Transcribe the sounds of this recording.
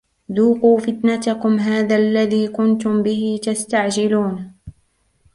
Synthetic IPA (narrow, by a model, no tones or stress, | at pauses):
d̪uːquːfɪt̪nat̪akʊmɦaːðaːʔlːaðiːkʊnt̪ʊmbɪhɪt̪ast̪aʕd͡ʒɪluːn